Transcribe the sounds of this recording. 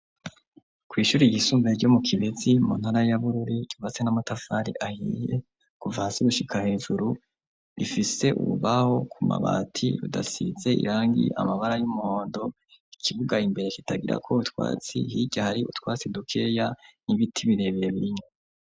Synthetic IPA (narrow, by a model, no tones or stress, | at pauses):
kwiːʃuːɾiɡisuːmbeɾɟo̞mukʰiβezimun̥haɾajaβuɾuɾiɟuvat͡senamatafaɾḭʔahḭje̞ | kuvahasiɡuʃikʰahe̞ːʒuɾu | ɾifise̞ʔṵuβaho̞kʰuma̰βa̰ːtʰḭɾṵda̰size̞ḭɾaːŋɡḭa̰maβaɾajumuho̞ːndo̞ | ikʰivuɡaimbe̞ɾe̞kitaɡiɾa̰kʰo̞utwa̰ːt͡sḭhiɟahaɾiʔṵtwaːt͡sidukʰe̞janiβitʰiβiɾe̞βejeβiiɲo